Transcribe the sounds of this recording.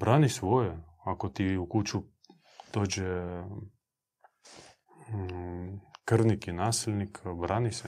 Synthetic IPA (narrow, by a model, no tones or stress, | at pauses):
bɾaːnisʋojɛ | akot̪iukut͡ʃu | d̪̥oːd͡ʒɛ | kərnikinaːsilʲnikʰbɾʔaːnisɛ